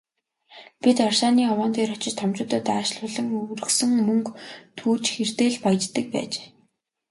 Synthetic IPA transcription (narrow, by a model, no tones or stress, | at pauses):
pʲit̪ɔrʃaːniːɔwɔːnt̪ʰeːrɔt͡ɕɪ̆t͡ɕt̪ʰɔmt͡ɕʊːt̪ə̆t̪aːʃɮʊːɮə̆ŋɵɾɵ̆sɵ̆ŋmɵŋkt̪ʰuːt͡ɕxer̥t̪eːɮpajt͡ɕt̪ːə̆k̚pæ̰ːt͡ɕe̥ː